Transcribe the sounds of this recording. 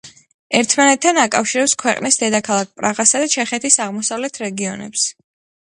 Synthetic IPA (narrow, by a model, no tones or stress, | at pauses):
ɛɾt̪ʰmanɛt̪ʰːanakʼafʃiɾɛpskʰwɛqʼnisd̪ɛd̪akʰalˠak̚ʰpʼɾaʁasad̪at͡ʃʰɛχɛt̪ʰisaʁmɔsavlɛt̪ʰɾɛɡiɔnɛ̰ps